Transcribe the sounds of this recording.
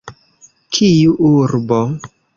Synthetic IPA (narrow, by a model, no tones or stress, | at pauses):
kʰijuʔuɾbo